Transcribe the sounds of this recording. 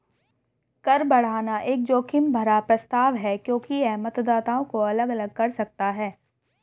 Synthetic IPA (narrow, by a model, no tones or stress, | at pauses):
kɐɾbɐɽ̤aːnaʔeːk̚d͡ʒoːkɪmbʱɐɾapɾɐst̪aːʋɦɛkjõːkiɛmɐt̪d̪aːt̪aõkoɐləɡɐləɡ̚kɐɾsɐk̚t̪aɦɛː